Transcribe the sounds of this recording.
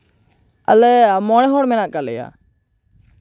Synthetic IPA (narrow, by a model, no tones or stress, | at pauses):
ə̰lɛamɔːnɛ̃ːɦoːɽmɛ̃ːnãːkalḛja̰ː